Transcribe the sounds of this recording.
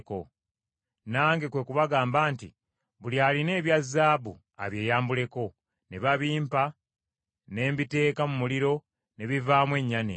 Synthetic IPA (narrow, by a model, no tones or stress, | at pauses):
ko̞ | naːŋɡe̞kwe̞ːkuβaɡaːmbaːntḭ | βuljaːline̞ːβjazːaːbṵ | a̰βje̞ːjaːmbule̞ko̞ | ne̞βaβiːmpa | ne̞ːmbite̞ːkamumuliɾo̞ | ne̞βivaːmwe̞ɲːanḛ